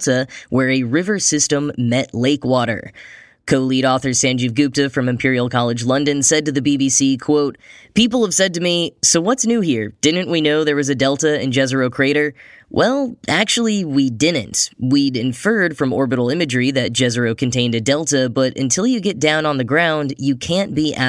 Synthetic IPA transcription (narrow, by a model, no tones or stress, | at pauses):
təwʔə˞ɨɹɪvə˞sɪstə̃mːɛtleɪkwɔɾə̰˞ | kʰoʊliɾɔθə˞sæ̃nd͡ʒɨvɡʉp̚tɨfɹʌ̃mɨ̃mpʰɪɹil̩ˠkʰɑlˠɨd͡ʒlʌ̃ndɨ̃nsɛd̚tɨðɨbibisikʰw̥oʊt̚pipl̩ˠəv̥sɛd̚tɨmisoʊwʌtsnʉhiɹd̥ɪdⁿn̩ʔwʔinoʊðə˞wʌzɨdɛlˠtɨɨ̰̃nd͡ʒɛzə˞oʊkʰɹ̥eɪɾə˞wʔɛlˠæk̚t͡ʃul̩ˠiwidɪdⁿn̩twiɾɨ̃ɱfɜ˞d̥fɹʌ̃mɔɹbɨɾl̩ˠɪ̃mɨd͡ʒɹiðɨt̚d̥ʒ̥ɛzə˞oʊkʰɨ̃n̩tʰẽɪ̃ndɨdɛlˠtɨbʌɾɨ̰̃ntʰɪlˠjɨɡɛt̚d̥ãʊ̃nə̃nðɨɡɹãʊ̃ndjɨkʰæ̃nb̥iʔæ